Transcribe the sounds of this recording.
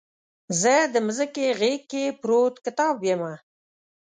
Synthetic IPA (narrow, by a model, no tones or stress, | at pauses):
zəd̪əmzəkeɣekːepɾot̪kɪt̪ɑbjema